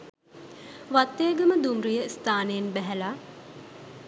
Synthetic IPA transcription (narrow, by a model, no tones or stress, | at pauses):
ʋat̪ːeːɡəməd̪umɾujəst̪ʰaːnəjenbæɦɛla